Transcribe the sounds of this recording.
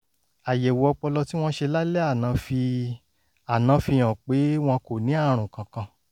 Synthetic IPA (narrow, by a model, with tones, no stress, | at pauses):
a˨jɛ˨wo˨ɔ˧k͡pɔ˧lɔ˧ti˦w̃ɔ̃˦ʃe˧la˦lɛ˦a˦˨nã˨˧fi˧ | a˨nã˨˧fi˧j̃ã˨k͡pe˨˦w̃ɔ̃˧ko˨nĩ˨˦a˦˨ɾ̃ũ˨kã˨kã˧